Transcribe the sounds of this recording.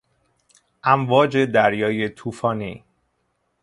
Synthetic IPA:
ʔæmvɒːd͡ʒe̞d̪æɾjɒːje̞t̪ʰuːfɒːniː

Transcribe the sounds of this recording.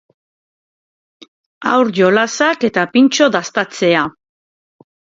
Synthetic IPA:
a̰wɾʝo̞lasake̞t̪apint͡ʃo̞ðast̪at͡se̞a

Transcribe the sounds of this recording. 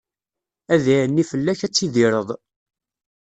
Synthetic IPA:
æðiʕənːifəlːæçæt͡sːiðiɾˤəðˤ

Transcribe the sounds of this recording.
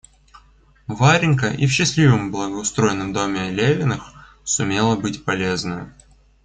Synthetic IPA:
vaɾʲɪnkəʔḭfɕːɪslʲivəmblˠəɡəʊst̪ɾo̞ɪnːəmd̪o̞mʲɪlʲevʲɪnəx | sʊmʲe̞lˠəbɨtʲpɐlʲeznɨ

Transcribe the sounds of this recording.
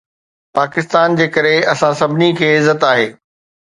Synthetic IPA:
paːkɪst̪aːnd͡ʑeːkɐɾeɐsãsɐbʱɪnikʰeːɪzət̪aːɦeː

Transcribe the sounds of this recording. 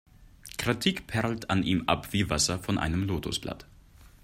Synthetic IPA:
kʁ̥ɪtʰikpʰɛɐl̩tʰanʔiːmʔa̰pv̥iːvasɐfɔnʔa̰ɪnəmloːtʰosb̥la̰t

